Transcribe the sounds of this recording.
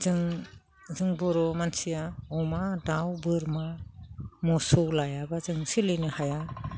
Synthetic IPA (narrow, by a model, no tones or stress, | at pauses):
zɯŋ | zɯŋbɔɾɔmansijaɔmadawbɯɾma | mɔsɔwlajabazɯŋsilɯjnɯhaja